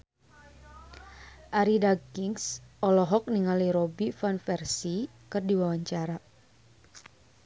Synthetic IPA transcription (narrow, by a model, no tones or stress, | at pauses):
ʔaɾidaɡiŋsɔlɔɦɔk̚niŋaliɾobifanfɛrsi | kɨrdiwawaɲt͡ʃaɾa